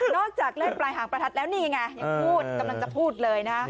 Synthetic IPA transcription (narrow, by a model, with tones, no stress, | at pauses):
nɔː˥˩k̚t͡ɕaː˨˩k̚lɯ˥˩ŋplaː˧jɦaː˩˦ŋpɾa˧t̪ʰa˦˩t̪̚lɛː˦˥wniː˥˩ja˧ŋːa˧˩ja˧ŋpʰuː˥˩t̪̚ka˧mla˧ŋt͡ɕa˨˩pʰuː˥˩t̪̚lɤː˧jna˦ka˦˥